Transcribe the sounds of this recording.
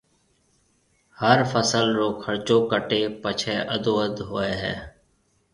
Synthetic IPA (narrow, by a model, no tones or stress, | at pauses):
həɾfəsəlɾoːkʰəɾt͡ʃõːkəʈeːpət͡ʃʰeːʔəd̪oːəd̪ɦoːeːɦɛ̰ː